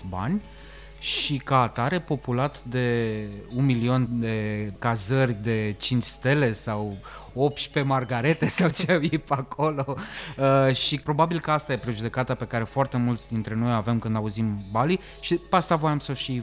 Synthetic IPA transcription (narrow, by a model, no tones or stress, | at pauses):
ba̰nʲ | ʃikaːt̪aɾe̞po̞pulat̪d̪e̞unmilio̞nd̪e̞kazərʲd̪e̞t͡ʃint͡ʃʲst̪e̞le̞sawo̞pt͡ʃʲpe̞marɡaɾe̞t̪e̞sawt͡ʃeajepako̞lo̞əʃipɾo̞babilkəast̪aje̞pɾeʒud̪e̞kat̪ape̞kaɾe̞foart̪e̞mult̪sʲd̪int̪ɾe̞no̞jave̞mkɨnd̪auzimbali | ʃipeast̪avo̞jamsəʃi